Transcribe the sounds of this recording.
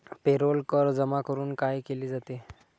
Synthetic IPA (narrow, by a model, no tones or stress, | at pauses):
peɾolkəɾd͡zəmakəɾuːnkajkeliːd͡zat̪e